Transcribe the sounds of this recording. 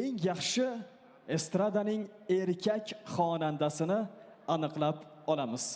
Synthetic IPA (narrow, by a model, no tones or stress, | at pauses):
eŋjɑχʃɪ | e̞st̪ɾad̪anɪŋ | e̞ɾkʲʰakʲχɒnand̪asɪnɪ | anɨqlˠap | ɒlˠamɪz̥